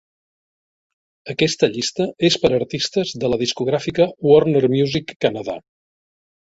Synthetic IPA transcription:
əkɛst̪əʎist̪əespəɾəɾt̪ist̪əzðələðiskuɣɾafikəwɔrnəɾmjuzikːənəða̰

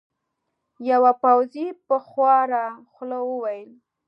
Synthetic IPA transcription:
jawapawzipəxwɑɾaxləwəwajəl

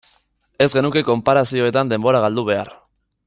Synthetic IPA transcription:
e̞zɣe̞nuke̞ko̞mpaɾasio̞e̞t̪and̪e̞mbo̞ɾaɣ̞ald̪uβ̞e̞a̰ɾ

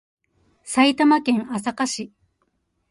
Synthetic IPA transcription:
sait̪amakẽ̞ŋasakaɕi

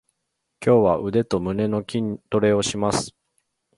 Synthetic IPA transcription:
kʲo̞ːβaʔɯ̟d̪e̞t̪o̞mɯ̟ne̞no̞kʲiɲt̪o̞ɾe̞o̞ɕimasɨ̥

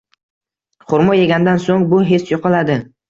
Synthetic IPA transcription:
χʊɾmɒjeɡʲand̪ansoŋbʊɦe̞t͡ʃjoqʰɑlad̪ɪ

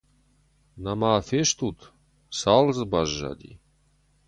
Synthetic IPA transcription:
namaːfeʃt̪ut̪ | salˠzbaʒːa̰d̪ʲḭ

